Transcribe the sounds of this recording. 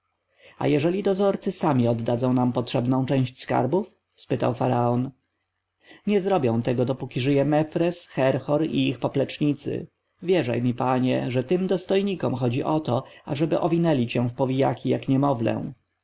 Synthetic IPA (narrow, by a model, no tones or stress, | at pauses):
a̰jɛʐɛlʲid̪ɔzɔɾt̪sɘsamʲiɔd̪ːad̪zɔ̃w̃nampɔtʂɛbnɔ̃w̃t͡ʂɛ̃w̃ɕt͡ɕʲska̰ɾbuf | spɘt̪a̰wfaɾaɔn | ɲɛzɾɔbʲjɔ̃w̃t̪ɛɡɔd̪ɔpukʲiʐɘjɛmɛfɾɛsxɛɾxɔɾḭixpɔplɛt͡ʂɲit̪sɘ̰ | vʲjɛʐa̰jmʲipaɲɛ̰ʐɛt̪ɘmd̪ɔst̪ɔjɲikɔmxɔd͡ʑiʔɔt̪ɔaʐɛbɘʔɔvʲinɛlʲit͡ɕɛ̃fpɔvʲijakʲʰijakɲɛmɔvlɛ̰̃